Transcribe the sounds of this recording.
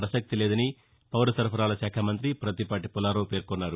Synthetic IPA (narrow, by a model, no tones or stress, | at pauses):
ɾɐʃɐk̚t̪ileːd̪ɐni | pɐʋɾɐsɐɾpʰɐɾaːlɐʃaːkʰamɐnt̪ɾipɾɐt̪ipaːʈipulaːɾoːpe̞ːɾkɔnːaːɾu